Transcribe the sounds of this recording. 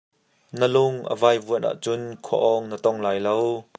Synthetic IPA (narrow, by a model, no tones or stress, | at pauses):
nəlʊŋʔə̰vaːjvuənʔa̰ʔt͡sʊnkʰɔ̰ʔɔŋnət̪ɔŋlaːjlow